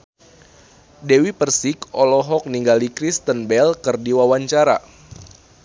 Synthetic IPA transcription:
dewipərsikɔlɔɦɔk̚niŋɡalikɾist̪ənbɛlkərdiwawaɲt͡ʃaɾa̰

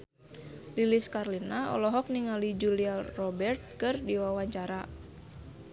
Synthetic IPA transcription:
liliskarlinaɔ̰lɔɦɔk̚niŋalid͡ʒuliarɔbɛrt̪̚kɨrdiwawaɲt͡ʃaɾa

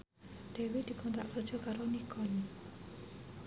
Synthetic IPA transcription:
d̥ewid̪̥i̤kɔnt̪ɾa̰ʔkərdd͡ʒɔ̤kaɾonikɔn

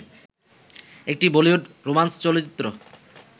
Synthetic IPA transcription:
ek̚ʈibolioɖɾomanst͡ɕɔlit͡ɕit̪ːɾo

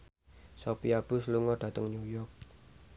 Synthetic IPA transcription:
sopiab̥ṳsluŋɔɖ̥ä̤t̪əŋnujɔrk̚

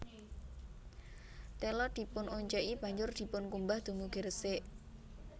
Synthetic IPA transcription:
t̪ɛlɔd̪̥i̤pʊnoɲt͡ʃɛʔib̥ä̤ɲd͡ʒʊrd̪̥i̤pʊnkumbahd̪̥ṳmuɡ̥əɾəsɪʔ

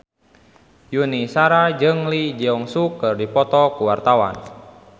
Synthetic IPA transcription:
junisaɾad͡ʒɨŋlid͡ʒiɔŋsukɨrdipɔt̪ɔkuwart̪awa̰n

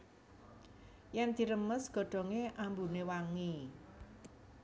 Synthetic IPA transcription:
jɛnd̪̥i̤ɾəməsɡ̥ɔ̤ɖ̪̥ɔ̤ŋeʔambunewaŋi

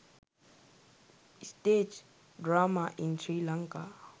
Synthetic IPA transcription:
stet͡ʃ | dɹamaʔĩnsɹilãŋka

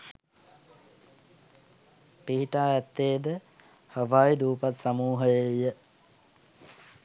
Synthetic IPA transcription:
piɦiʈaːɛt̪ːeːd̪ə | həʋaːid̪uːpat̪samuːɦəjəjə

